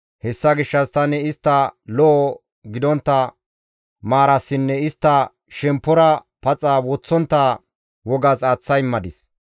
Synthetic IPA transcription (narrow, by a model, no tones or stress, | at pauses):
hɛsːɐɡɪʃːɐst̪ɐnɛɪst̪ːɐlɔʔɔ | ɡɪd̪ɔnt̪ːɐ | maːɾɐsːɪnːɛɪst̪ːɐ | ʃɛmpːɔɾɐ | pɐt͡sʼːaːwɔt͡sːɔnt̪ːa | wɔɡɐsaːt͡sːɐjmːɐd̪ɪs